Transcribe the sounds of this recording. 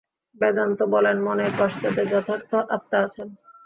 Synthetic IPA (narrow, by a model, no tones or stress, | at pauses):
bɛd̪ant̪obɔlenmonekɔʃt͡ɕ̪at̪ed͡ʑɔt̪ʰak̚t̪ʰoʔap̚t̪aat͡ɕʰen